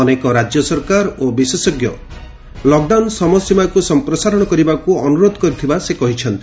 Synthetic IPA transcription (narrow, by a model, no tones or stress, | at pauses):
ɔnekɔɾad͡ʒjɔsɔɾkaɾobisesɔɡjɔ | lɔk̚ɖawnsɔmɔsimakusɔmpɾɔsaɾɔɽ̃ɔkɔɾibakuɔnuɾod̪ʱɔkɔɾit̪ʰibasekɔɦit͡ʃʰɔnt̪i